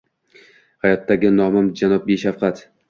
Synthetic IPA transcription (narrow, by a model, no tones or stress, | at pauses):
hajɒt̪ːaɡʲɪnɒmamd͡ʒanɒp̚beʃafqʰɑt̪